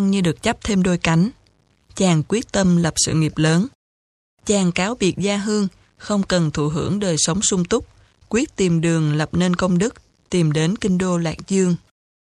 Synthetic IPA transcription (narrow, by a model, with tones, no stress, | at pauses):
ŋɲɨ˧ɗɨ˨˩ək̚t͡ɕa˦˥p̚t̪ʰe˧mɗo˧jka˨˦jŋ̟ | t͡ɕaː˨˩ŋkwi˦˥ək̚t̪ə˧mlə˨˩p̚sɨ̰˧˨ŋi˨˩p̚ləː˨˦n | t͡ɕaː˨˩ŋkaː˨˦wɓi˨˩ək̚zaː˧ɦɨ˧əŋ | xə˧wŋ͡mkə˨˩nt̪ʰṵ˧˩ɦɨ̰˧˥əŋɗəː˨˩jsə˨˦wŋ͡msʊ˧ŋ͡mt̪ʊ˦˥k͡p̚ | kwi˦˥ət̚t̪i˨˩mɗɨ˨˩əŋlə˨˩p̚ne˧nkə˧wŋ͡mɗɨ˦˥k̚ | t̪i˨˩mɗe˨˦nkï˧ŋ̟ɗo˧la̰ː˧˩k̚zɨ˧əŋ